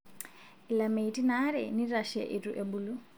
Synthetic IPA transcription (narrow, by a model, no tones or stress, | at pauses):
ɪlameitʼinaɾɛniraʃɛʔetʼuʔebuːlʊ